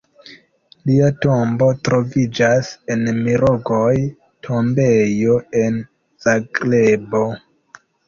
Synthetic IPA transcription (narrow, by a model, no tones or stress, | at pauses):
liato̞mbo̞tɾo̞vid͡ʒasenmiɾoɡoj | tʰo̞mbejoen | z̥aɡɾebo̞